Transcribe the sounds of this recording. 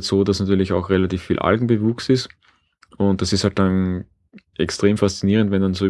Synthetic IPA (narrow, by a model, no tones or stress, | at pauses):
tsoːdasnatyːɐlɪçaʊxʁelatiːfːiːlʔa̰lɡŋ̩bəvuːksɪst | ʊnt̚d̥asɪsthalt̚d̥an | ʔɛkstʁ̥eːmfast͡siniːʁəntvɛndanzo